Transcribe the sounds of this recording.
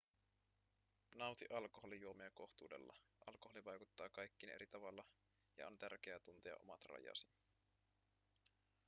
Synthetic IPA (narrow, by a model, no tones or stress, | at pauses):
nɑwt̪iʔɑlko̞ɦo̞lijuo̞meɑko̞xt̪ṵːde̞̰lːɑ̰ʔɑ̰lkoholiʋɑjkut̪ːɑːkɑjkːiːne̞̰ɾit̪ɑʋɑlːɑ | jɑ̰o̞̰nt̪ærk̟eæt̪unt̪eɑ̰ʔo̞̰mɑt̪rɑ̰jɑ̰ːsi̥